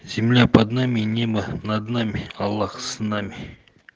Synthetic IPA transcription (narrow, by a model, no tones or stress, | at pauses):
z̥ʲimlʲæpad̪namʲinʲemənad̪namʲiɑlˠːɑχsɨnɑmʲi